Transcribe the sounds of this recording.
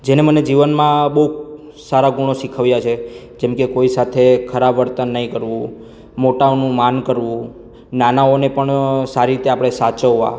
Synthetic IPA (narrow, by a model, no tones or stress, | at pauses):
d͡ʒeneməned͡ʒiʋənmãbəɦuk | saɾaɡuɽ̃oʃikʰəʋjat͡ʃʰe | d͡ʒɛmkekoisat̪ʰekʰəɾabʋəɾt̪ənːəɦĩkəɾʋũ | moʈaonũmankəɾʋũ | nanaonepəɳsaɾiɾit̪eapɽ̃esat͡ʃəʋa̰